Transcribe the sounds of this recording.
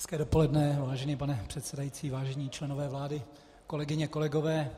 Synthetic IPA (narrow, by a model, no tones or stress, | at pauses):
ɛskɛːdopo̞lɛdnɛvaːʒɛniːpanɛpr̥ɛt̪sɛdajit͡siːvaːʒɛɲiːt͡ʃlɛno̞vɛːvlaːdɪ | ko̞lɛɡɪɲɛko̞lɛɡo̞vɛː